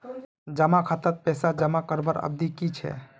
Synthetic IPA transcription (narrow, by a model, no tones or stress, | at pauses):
d͡ʒəmakʰət̪ət̪̚pɛsad͡ʒəmakəɾbəɾə̰b̚d̪ikit͡ʃʰɛ̰